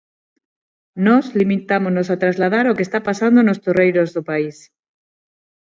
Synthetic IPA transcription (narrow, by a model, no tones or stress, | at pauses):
nɔslimit̪amoznosat̪ɾazlað̞aɾokest̪apasand̪onost̪orejɾozðopais